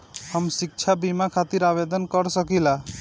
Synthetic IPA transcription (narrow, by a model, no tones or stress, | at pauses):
həmsik̚t͡ʃʰabimakʰat̪iɾabed̪ənkəɾsəkila